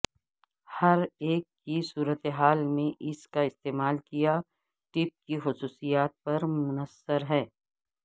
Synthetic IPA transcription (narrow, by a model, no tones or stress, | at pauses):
hɐɾeːkːisuːɾət̪eɦaːlmẽʔɪskaɪst̪eːmaːlkija | ʈɪp̚kixʊsuːsijaːt̪̚pɐɾmʊnəsəɾɦɛː